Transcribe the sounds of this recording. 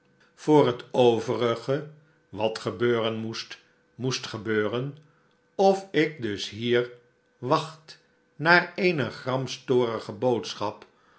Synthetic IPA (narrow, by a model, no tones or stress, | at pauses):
v̥ʊːɹɦətowvərəχə | ʋɑtχəbøːrənmust | mustχəbøːrən | ɔfɪk̚dɵsɦiːɹ | ʋɑχt | naːɹejnəχrɑmstoːɾəχəbowtsχɑp